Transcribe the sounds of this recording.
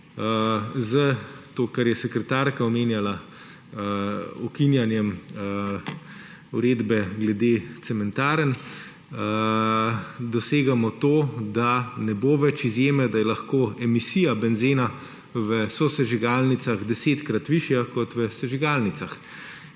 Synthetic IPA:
əzət̪oːkaɾjɛsɛkɾɛt̪aːɾkaɔmeːnjala | ɔkinjanjɛm | uɾeːd̪bɛɡlɛd̪et̪sɛmɛnt̪aːɾən | ə | d̪ɔseːɡamɔt̪oːd̪anɛboːʋɛt͡ʃizjeːmɛd̪ajɛlaxkoːɛmisijabɛnzeːna | ʋəsɔsɛʒiɡaːlnit̪saɣd̪ɛseːt̪kɾat̪ʋiʃjakɔt̪ʋəsɛʒiɡalnit̪sax

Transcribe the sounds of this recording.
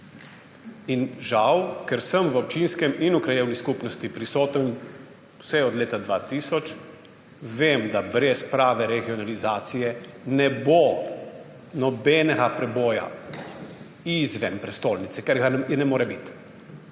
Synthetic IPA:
inʒawkɛɾsəmʋɔp̚t͡ʃinskɛminukɾajeːwniskupnɔst̪ipɾisoːt̪ən | wsɛɔd̪leːt̪ad̪ʋaːt̪isɔt͡ʃ | ʋeːmd̪abɾɛspɾaːʋɛɾɛɡiɔnalizaːt̪sijɛnɛbo | nɔbɛnɛɡapɾɛboːja̰ | izʋɛmpɾɛst̪oːlnit̪sɛkɛɾɡaɛnɛmoːɾɛbit̪

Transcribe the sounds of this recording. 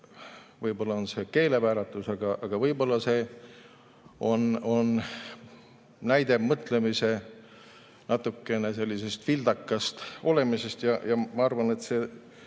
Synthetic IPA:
vɤjbo̞lːɑonseke̞ːle̞pæːɾɑt̪ːˑusɑɡ̥ɑʔɑɡ̥ɑvɤjbo̞lːɑse̞ː | o̞no̞n | næjd̪̥e̞mɤt̪le̞mise̞ | nɑt̪ːˑukːe̞ne̞se̞lʲːise̞st̪fild̪̥ɑkːˑɑst̪o̞le̞mise̞st̪jɑjɑmɑɑrvɑne̞t̪se̞ː

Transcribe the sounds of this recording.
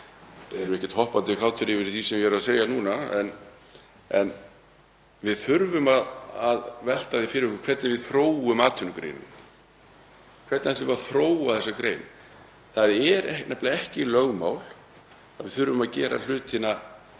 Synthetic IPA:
θɛɛɾʏɛhcːɛ̥ɾt̪hɔhpant̪ɪkʰawt̪ʰʏɾɪvɪɾθisɛmjɛɾaðseːjanuːnaɛ̰n | ɛn | vɪðθʏɾvʏmaðaðvɛl̥t̪aðɪfɪɾɪvʏkʏkʰvɛt̪nɪvɪðθɾoːwʏmaːt̪ʰʏnkɾḛːjnʏ̰m | kʰvɛt̪nhɛt̪ɪvɾaθɾoːwaðθɛsakɾeːjn | θaðɛɾɛnɛplaɛhcɪlœɣma̰ːwl̥ | a̰ðvɪðθʏɾvʏmaðcɛːɾa̰l̥ʏːt̪ɪna

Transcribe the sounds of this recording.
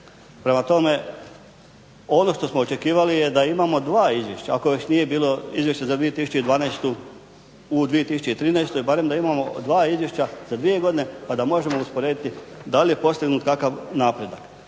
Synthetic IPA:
pɾe̞mat̪o̞me̞ | o̞no̞ʃt̪o̞smoot͡ʃe̞kiːʋalijed̪aimamo̞d̪ʋaːizʋje̞ʃt͡ɕaako̞ʋet͡ɕnije̞biːlo̞izʋje̞ʃt͡ɕazad̪ʋijet̪isu̥t͡ɕed̪ʋaːnest̪u | ud̪ʋije̞t̪isu̥t͡ɕeit̪ɾiːnaest̪oibaɾe̞md̪aimamo̞d̪ʋaːizʋje̞ʃt͡ɕaz̥ad̪ʋije̞ɡo̞d̪ine̞pad̪amo̞ʒe̞mouspo̞ɾeːd̪it̪id̪alije̞po̞st̪iɡnuːt̪kakaʋnaːpɾed̪ak

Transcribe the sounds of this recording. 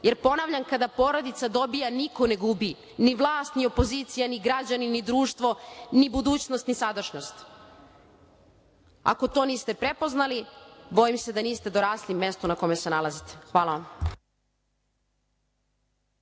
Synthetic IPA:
jeɾpo̞naʋʎamkad̪apo̞ːɾo̞d̪it̪sad̪o̞bijaniko̞neɡubi | niʋlˠaːst̪nio̞po̞ziːt̪sijaniɡɾad͡ʑaninid̪ɾuːʃt̪ʋo̞nibud̪uːt͡ɕnost̪nisad̪ərʃɲo̞st̪ | a̰ko̞t̪o̞ːniːst̪e̞pɾepo̞znalibo̞jimse̞d̪aniːst̪e̞d̪o̞ɾaːslimːe̞st̪unako̞mesenalazit̪e̥xʋaːlˠaʋam

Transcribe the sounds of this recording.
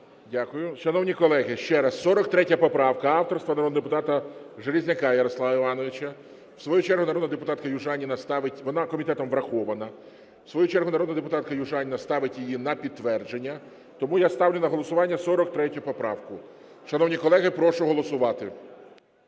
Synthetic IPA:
dʲakʊjʊʃɐnɔwnʲikɔlˠɛɦɪʃt͡ʃɛɾɐsːɔɾɔk̚t̪ɾɛtʲːɐpɔpɾɑwkɐɑwt̪ɔrst̪ʋɐnɐɾɔd̪nɐd̪epʊt̪ɑt̪ɐʒeɾʲizʲnɐkɑjɐɾɔslˠɑʋɐiʋɑnɔʋɪt͡ʃɐ | w̥sʋɔjut͡ʃɛrɦʊnɐɔd̪nɐd̪epʊt̪ɑt̪kɐjʊʒɑnʲinɐst̪ɑʋɪtʲʋɔnɑkɔmʲit̪ɛt̪ɔmʋɾɐxɔʋɐnɐ | wsʋɔjut͡ʃɛrɦʊnɐɾɔd̪nɐd̪epʊt̪ɑt̪̚kɐjʊʒɑnʲinɐst̪ɑʋɪtʲjejinɐpʲid̪̚t̪ːʋɛrd͡ʒenʲːɐ | t̪ɔmujast̪ɑwlʲɪnɐɦɔlˠɔsʊʋɑnʲːɐsɔɾɔk̚t̪ɾɛtʲʊpɔpɾɑwkʊ | ʃɐnɔwnʲikɔlˠɛɦɪpɾɔʃʊɦɔlˠɔsʊʋɑt̪ɪ

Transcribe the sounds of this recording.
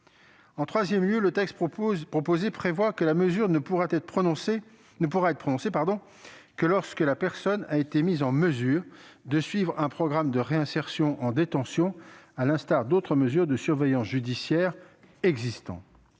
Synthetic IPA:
ɑ̃t̪χwazjɛmljølət̪ɛkst̪pχɔpozepχevwakəlaməzyʁnuʁat̪ɛt̪pχɔ̃se | nəp̬uʁaɛt̪χəpχɔnɔ̃sepaʁd̪ɔ̃ | kəlɔʁskəlapɛʁsɔnaet̪emizɑ̃məzyːʁd̪əsɥivʁɛ̃pχɔɡʁamd̪əʁeɛ̃sɛʁsjɔ̃ʔɑ̃d̪et̪ɑ̃sjɔ̃alɛ̃st̪aʁd̪ot̪χəməzyʁd̪əsyʁvɛjɑ̃sʒyd̪isjɛːʁ | ɛɡzist̪ɑ̰̃

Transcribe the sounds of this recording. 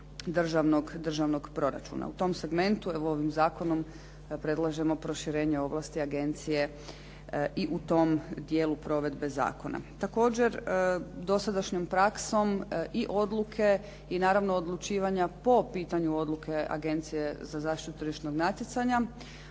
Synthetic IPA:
d̪r̩ʒaʋno̞ɡd̪r̩ʒaʋno̞ɡpɾo̞ɾa̰t͡ʃṵna̰ut̪o̞mse̞ɡme̞nt̪ueʋoo̞ʋimzaːko̞no̞m | pɾe̞d̪lˠaʒe̞mo̞pɾo̞ʃiɾe̞ːɲe̞o̞ʋlˠast̪iaɡe̞nt̪sije̞ | ʔiʔut̪o̞md̪jeːlupɾo̞ʋe̞d̪be̞za̰ːko̞na̰t̪ako̞ːd͡ʑe̞ɾd̪o̞sad̪aʃɲompɾakso̞miʔo̞d̪lˠukʰe̞ | inaːɾaʋno̞ːd̪lˠut͡ʃiːʋaɲapo̞piːt̪aɲuo̞d̪lˠukʰe̞a̰ɡe̞nt̪sije̞zazaːʃt̪it̪ut̪ɾiʃnoɡnat̪jet̪saɲa

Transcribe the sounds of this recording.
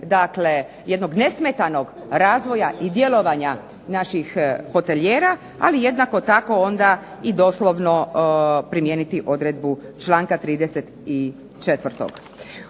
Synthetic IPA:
d̪akle | je̞d̪no̞ɡne̞smet̪ano̞ɡ | ɾaːzʋo̞jaʔid̪je̞lo̞ʋaɲa | naʃixho̞t̪e̞ʎeːɾa | alije̞d̪nako̞t̪ako̞ond̪a | id̪o̞slo̞ʋno̞pɾimjeːnit̪iʔo̞d̪ɾed̪̚but͡ʃlˠaːŋkat̪ɾiːd̪eset̪i | t͡ʃet̪ʋr̩ɾt̪o̰ɡ̥

